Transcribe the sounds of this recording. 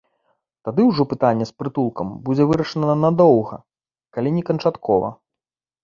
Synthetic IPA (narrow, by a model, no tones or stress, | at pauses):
t̪ad̪ɨwʐɔpɨt̪anʲːɛspɾɨt̪ulˠkɐmbud͡zʲɛvɨɾɐʂɐnɐɐnɐd̪ɔwɣɐ̰ | kalʲinʲɛkɐnt͡ʂat̪kʰɔvɐ̰